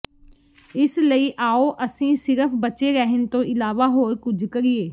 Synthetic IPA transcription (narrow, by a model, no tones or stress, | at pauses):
ɪsləiːʔaːoːʔəsĩːsɪɾəpʰbət͡ʃeːɾɛɦɪnt̪õːʔɪlaːʋaːɦoːɾkʊd͡ʒʱkəɾieː